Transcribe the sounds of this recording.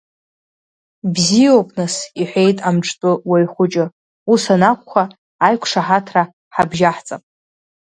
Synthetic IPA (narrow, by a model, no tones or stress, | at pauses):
bziopʼnɨsiħʷe̞jtʼamʈ͡ʂʰʼtʼʊwajχʷʊt͡ʃʼɪ | usanakʷʰʼχʷaː | jkʷʰʂaħatʰra | ħabʒaħt͡sʼapʼ